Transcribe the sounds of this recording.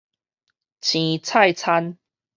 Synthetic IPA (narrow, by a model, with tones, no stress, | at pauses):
t͡ɕʰĩ˨˦t͡sʰa˥˨jt͡sʰa˦n